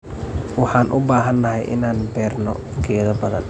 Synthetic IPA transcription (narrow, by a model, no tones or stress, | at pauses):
wɑħɑːnʔʊbaːɦɐnːɐɦɛjʔɪ̰naːnbɛːrnɔ̰ | ɡʰɛːðɐbɐðɐ̰n